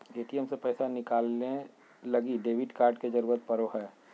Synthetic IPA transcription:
eːʈijəmsepɛːsanɪkaːlːe | lɐɡiɖeːʋɪɖkaːɾɖked͡ʒɐɾuːɾət̪̚pɐɾoɦɛː

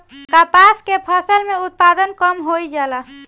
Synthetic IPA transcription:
kapaskepʰəsəlmeut̪̚pad̪ənkəmɦojd͡ʒalə

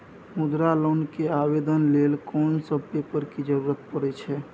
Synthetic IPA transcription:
mud̪ɾalonkeabed̪ənlelkɔnsəb̚pepəɾkid͡ʒəɾuɾət̪̚pəɾɛt͡ʃʰɛ

